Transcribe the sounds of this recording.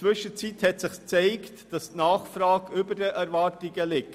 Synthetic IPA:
t͡sʋʏʃət͡sithɛtsɪχst͡sɛɪktd̥ɑstnɑːχfɾɑːkʏbəɾdɛʔɛɾvɑːɾtɪɡəlɪk

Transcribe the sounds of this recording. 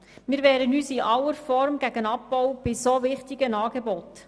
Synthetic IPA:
mɪːɾʋɛːɾənyːsiʔɑwəɾfɔɾmɡ̥æɡənɑp̚bɔwb̥ɪsovɪχtɪɡənɑːɡebɔt

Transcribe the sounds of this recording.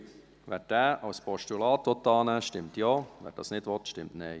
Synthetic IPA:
ʋɛɾd̥æːʔɑwspɔʃtulɑːt̪ʋɔt̪ːɑːnɛʃtɪmtjɔːʋɛ̰ːɾd̥ɑ̰ːsnɪdʋɔt̪ʃtɪmtnɛɪ

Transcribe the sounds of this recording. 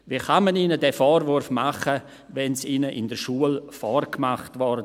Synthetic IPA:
ʋiχamaniːnədɛfɔːrvʊɾfmaχə | vɛnsiːnəʔɪ̰ndəɾʃuːəlfɔrkmaχtʋɔɾd

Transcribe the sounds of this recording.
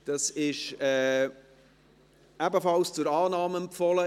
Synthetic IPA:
d̥ɑsɪʃɛː | æbəfɑlst͡sʊɾɑːnɑːmɛmpfɔlə

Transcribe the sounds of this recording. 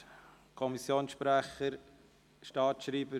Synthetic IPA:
kʰɔmisjoːnsʃpɾæχəɾ | ʃtɑːtʃɾiːbə

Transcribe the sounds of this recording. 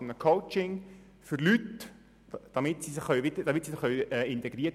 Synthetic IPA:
nəkʰoʊt͡ʃɪŋ | fʏɾlyt | d̥ɑmɪtsisɪχχœɥʋit̪əd̥ɑmɪtsisɪχœɥɛːɪnt̪ɛɡ̥ɾiə

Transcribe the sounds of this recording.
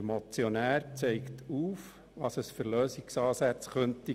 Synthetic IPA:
mot͡sjonæːɾt͡sɛɪkt̪ʰuːf | ʋɑːsəsfʏɾløːsiksɑːsæt͡sχœnt̪i

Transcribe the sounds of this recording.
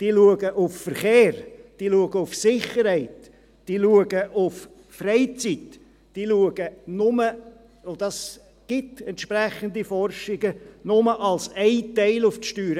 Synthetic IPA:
d̥iːluəɡəʔʊffəɾχeːɾd̥iːluəɡəʊfsɪχəɾhɛɪt | d̥iːluəɡəʔʊf | frɛɪt͡sit | d̥iːluəɡənʊmə | od̥ɑs | ɡ̥ɪtɛnt̪ʃpræχənd̪ifɔrʃɪɡənʊməʔɑlsɛɪtɛɪlʊftʃtyːɾə

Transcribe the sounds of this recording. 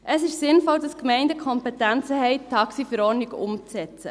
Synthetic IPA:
ʔəsɪʃsɪnfɔld̥ɑskmɛɪndəkʰɔmpɛt̪ænt͡səɦɛɪt̪ʰːɑksifəɾɔːɾniɡʊ̰mt͡sɛt͡sə

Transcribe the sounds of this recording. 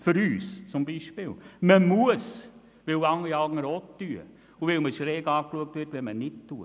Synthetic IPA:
fyɾyːst͡sʊmbiːʃpɪːlməmuəs | ʋɪwɑŋəɾiɑlɡŋəɾoːtːyə | uʋɪlməʃɾɛːɡɑːkluək̚tʋɪtʋɛmənɪt̚tːuə

